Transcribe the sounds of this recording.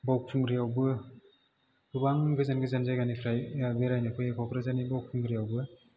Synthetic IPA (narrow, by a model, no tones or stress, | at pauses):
bawk̚pʰuŋɡɾijawbɯ | ɡubaŋɡɯzanɡɯzanzajɡanipʰɾajabeɾajnɯkʰɯjekʰawkʰɾazanibawk̚pʰuŋɡɾijawbɯ